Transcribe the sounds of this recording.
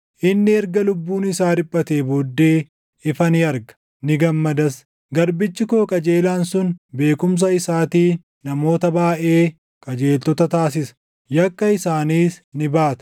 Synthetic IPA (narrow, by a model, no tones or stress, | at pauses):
ʔɪnːɪɛɾɡɐlʊbːuːnɪsaːɾɪbʼːɐt̪eːboːd̪ːe̞ː | ɪfɐnɪɐɾɡɐ̥ | nɪɡɐmːɐd̪ɐs | ɡɐɾbɪt͡ʃːɪkoːkʼɐd͡ʒe̞ːlaːnsʊnbe̞ːkʼʊms̬ɐɪsaːt̪iː | nɐmo̞ːt̪ɐbaːʔe̞ː | kʼɐd͡ʒe̞ːlt̪ɔt̪ɐt̪aːs̬ɪsɐ̥ | jɐkːɐɪsaːniːsnɪbaːt̪ɐ̥